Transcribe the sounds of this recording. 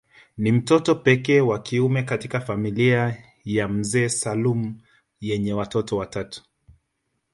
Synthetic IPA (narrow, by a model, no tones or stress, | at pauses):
nim̩tɔtɔpɛkɛːwakiumɛkatikafamilia | jam̩zɛːsalum̩ | jɛɲɛwatɔtɔwatatu̥